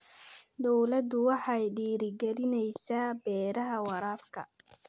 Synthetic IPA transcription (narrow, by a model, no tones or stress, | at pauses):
d̪ɔwlɐd̪ʊwɑħɑjɖiːɾɪɡɛɾɪnɛjsaːbɛːɾɐɦɐwɑɾaːbkʰɐ̰